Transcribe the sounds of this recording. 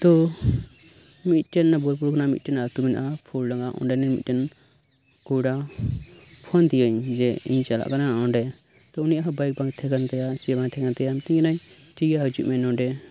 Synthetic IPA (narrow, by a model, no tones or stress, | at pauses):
t̪ɔ | mit̪̚ˀʈɛnːabɔlpuɾkɔnamḭt̪̚ˀʈɛnat̪umina̰ʔapʰulɖaŋɡaʔɔ̰ɳɖɛnɛmḭt̪̚ˀʈɛn | kuɽa | pʰɔnt̪ijəɲd͡ʒɛḭɲt͡ʃala̰ʔkanaɔɳɖɛt̪ɔunijʔaɦbajk̚baŋt̪ʰɛɡant̪ɛjat͡ʃɛbaŋt̪ʰɛɡant̪ɛjamt̪iɲɡɛnaɲ | ʈiɡaɦəd͡ʒuʔmɛnɔɖɛ